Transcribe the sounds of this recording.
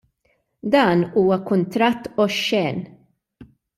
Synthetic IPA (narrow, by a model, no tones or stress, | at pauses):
d̪ɐːnuːwɐkʊnt̪ɾɐt̪ːɔʃːɛːn